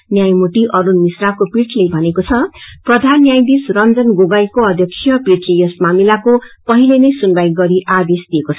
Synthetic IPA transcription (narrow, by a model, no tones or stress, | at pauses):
njajmuʈiʔʌɾunmisrakopiʈʰlejbʱʌnekot͡sʰʌprʌd̪ʱanjajd̪isrʌnd͡zʌnɡoɡajkoʌd̪ʱjʌksʰjʌprit͡sejʌsmamilakopʌɦilenʌjsunbajɡʌɾiʔad̪esd̪iekot͡sʰʌ